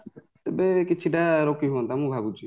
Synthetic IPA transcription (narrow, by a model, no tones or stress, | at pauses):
t̪ebekit͡ʃʰiʈaɾokiɦuɔnt̪ʰamũbʱabut͡ʃʰi